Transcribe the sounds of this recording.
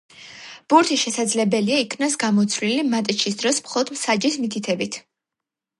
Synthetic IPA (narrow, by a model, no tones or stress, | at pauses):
b̥uɾt̪ʰiʃɛsad̪zlɛbɛliaikʰvnasɡamɔt̪sʰvlilimat̪ʼt͡ʃʰisd̪ɾɔsmχɔlˠɔd̪msad͡ʒismit̪ʰit̪ʰɛbit̪ʰ